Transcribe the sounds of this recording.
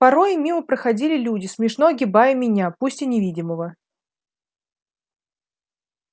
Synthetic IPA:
pɐɾo̞jɪmʲiməpɾəxɐdʲilʲɪlʲudʲɪsmʲɪʂnoɡʲɪbajəmʲɪnʲapusʲtʲɪnʲɪvʲidʲɪməvə

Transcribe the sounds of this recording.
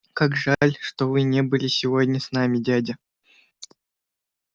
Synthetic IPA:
kakʐalʲʂt̪ovɨnʲebɨlʲɪsʲɪvodʲnʲəsnamʲɪdʲædʲɪ

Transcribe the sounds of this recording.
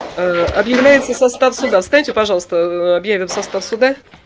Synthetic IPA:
əɐbjɪvlʲæjɪt̪səsɐst̪afsʊd̪afst̪anʲitʲɪpɐʐɑlˠəst̪əɐbjævʲɪmsɐst̪afsʊd̪a

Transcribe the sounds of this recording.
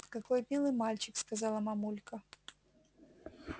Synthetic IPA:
kakojmʲilˠɨjmalʲt͡ɕɪkskazalˠəmɐmulʲkə

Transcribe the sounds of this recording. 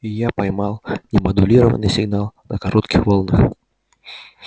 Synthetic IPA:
ijapajmalˠnʲɛmɐd̪ʊlʲiɾɐvə̰nɨsʲɪɡnalˠnɐkaɾɔt̪kʲixvɔlˠnɨx

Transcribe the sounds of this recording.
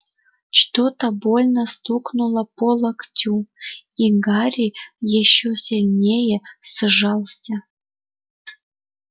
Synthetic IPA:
t͡ɕt̪ot̪ɑbolʲnəst̪uknulˠəpolˠɑktʲuiŋɡɑɾʲijeɕːosʲenʲejesɨʐɑlˠsʲɑ

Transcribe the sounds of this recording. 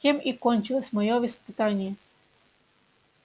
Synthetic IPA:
emikɔnʲt͡ɕɪlˠəsʲmɐjovʲispɨt̪anʲɪjɛ

